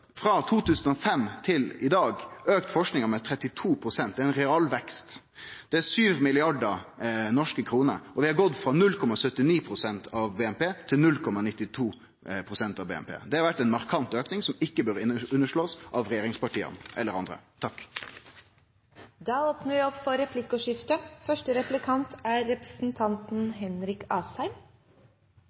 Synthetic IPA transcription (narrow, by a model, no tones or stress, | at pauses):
fɾɑt̪ʰuːt̪ʉːsənɔfɛmt̪ʰɪlɪd̪ɑːɡøːkt̪fɔʂknɪŋəmɛt̪ʰɾɛt̪ːɪt̪ʰuːpʰɾʊsɛnt̪̚d̪ɛæɾɪnɾɛɑlʋɛkst̪ | d̪̥ɛæsyːʋmɪlɪɑɖəɾnɔʂkəkʰɾuːnə̰ɾɔʋɪhɑɡɔd̪fʁɑnʉlːkʰɔmɑsœt̪ːɪniːpʰɾʊsɛnt̪ɑʋbeːɛmpeːt̪ʰɪlnʉlkʰɔmɑnɪt̪ːɪt̪ʰuː | pʰɾʊsɛnt̪ɑʋbḛːɛ̰mpʰḛːd̪ɛhɑɾʋæʈːɛnmɑʁkʰɑnt̪øːknɪŋsɔmɪkːəbøɾʉnːəʂɭoːsʔɑʋɾɛjeːɾɪŋspɑʈiːə̰nʔɛlːəɾɑnd̪ɾə̰t̪ʰɑkː | d̪ɑːoːpnəʋɪɔppɔɾɛpʰlɪkʊʂɪft̪əfœʂʈəɾɛplɪkʰɑnt̪æːɛpɾəsn̩t̪ʰɑnt̪n̩ɦɛnɾɪkɑːshæɪm